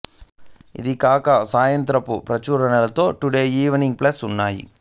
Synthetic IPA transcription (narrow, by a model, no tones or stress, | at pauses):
ḭd̪ikaːkɐsaːjɐnt̪ɾɐpupɾɐt͡ʃuːɾɐɳɐlɐt̪o̞ːʈuɽeːiːʋɐniŋɡ̚plɐsunːaːjḭ